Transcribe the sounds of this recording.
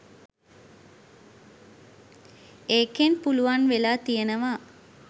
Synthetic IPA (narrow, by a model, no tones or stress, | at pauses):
eːkenpuluʋanʋelaːt̪ijenəʋa